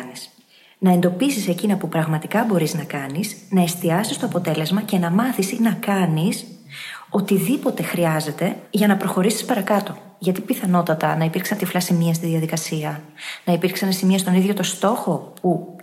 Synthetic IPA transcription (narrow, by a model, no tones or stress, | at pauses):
nis | nɐe̞nd̪o̞pisise̞cinɐpupɾɐɣmɐt̪ikɐbo̞ɾiznɐkɐnisnɐe̞st̪iɐsist̪o̞ɐpo̞t̪e̞le̞zmɐce̞nɐmɐθisinɐkɐnis | o̞t̪iðipo̞t̪e̞xɾiɐze̞t̪e̞ʝɐnɐpɾo̞xo̞ɾisi̥spɐɾɐkɐt̪o̞ | ʝɐt̪ipiθɐno̞t̪ɐt̪ɐ̰nɐipiɾksɐnt̪iflɐsimiɐst̪iðiɐðikɐsiɐnɐipiɾksɐnesimiɐst̪o̞niðʝo̞t̪o̞st̪o̞xo̞pu